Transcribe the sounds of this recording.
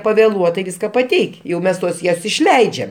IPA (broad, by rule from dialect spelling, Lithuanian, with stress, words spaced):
pɐʋʲɛˈlˠuɔtɐɪ ˈʋʲɪskɐ pɐˈtʲɛɪkʲ jɛʊ ˈmʲɛs tuɔs ɪʃʲˈlʲɛɪd͡ʒʲɛm